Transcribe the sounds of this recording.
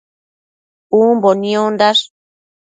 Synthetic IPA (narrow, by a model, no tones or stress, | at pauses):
umbonĩond̪aʂ